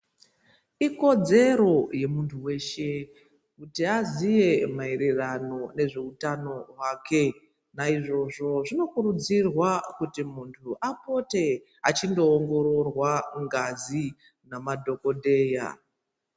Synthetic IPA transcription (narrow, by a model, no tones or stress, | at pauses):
iko̞d͡ze̞ɾo̞je̞muntʰuwe̞ːʃe̞ | kutiazije̞maeɾerano̞ne̞ʐe̞utano̞ɦwaːke̞ | naiʐo̞ʐo̞ʐino̞kuɾud͡zirwakutimuntʰuʔapo̞te̞ | a̰t͡ʃindo̞ːŋɡo̞ɾo̞rwaŋɡazi | namadʱo̞ko̞dʱe̞ːja̰